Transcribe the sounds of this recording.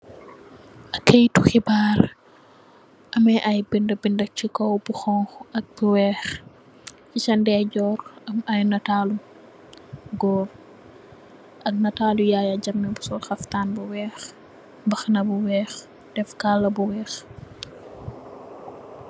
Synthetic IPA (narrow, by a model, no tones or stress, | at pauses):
ʔɐkːejtuxibaːɾ | ʔɐmɛʔɐjbindɐbindɐt͡ʃikɔwbuxɔŋxɐk̚b̥uwɛːx | cit͡ʃɐndɛɟɔːɾɐmɐjnɐtaːlu | ɡɔːr | ʔɐk̚nɐtaːlujajɐɟɐmːɛbusɔlxɐftaːnbuwɛːx | bɐxnɐbuwɛːx | d̥ɛfkalːɐbuwɛːx